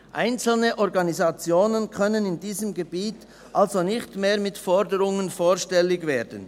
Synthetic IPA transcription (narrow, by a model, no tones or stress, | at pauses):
ʔaɪnt͡sl̩nəʔɔʁɡɑnizat͡sjoːnənkʰœnənɪndiːzəmɡebiːt | ʔalzonɪçtmeːɾmɪtfɔɾdəɾʊŋənfoːɾʃtɛlːɪɡveːdən̩